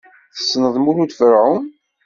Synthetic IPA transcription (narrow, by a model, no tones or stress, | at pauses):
θə̥sːnəðˤmulut̪fəɾʕʊm